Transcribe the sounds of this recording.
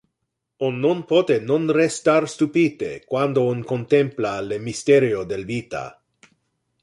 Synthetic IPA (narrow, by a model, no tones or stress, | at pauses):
onːonpot̪enõnrest̪aɾst̪upit̪ḛkwand̪oonkont̪emplalemist̪eɾjod̪elbit̪a̰